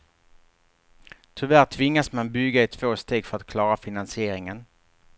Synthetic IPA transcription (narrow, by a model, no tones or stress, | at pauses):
t̪ʰʏvæːɾʈ̪ʰvɪŋːasmanbʏɡaɪt̪ʰv̥oːst̪eːɡfœɾat̪̚kʰlɑːɾafɪnansɪeːɾɪŋən